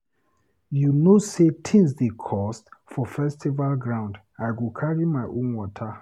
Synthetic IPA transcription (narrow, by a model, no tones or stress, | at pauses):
junosetʰĩnsdekʰɔstfɔfɛstivalɡɹãʊ̃nd | ajɡukʰaɹimaɪʔõnwɔtʰa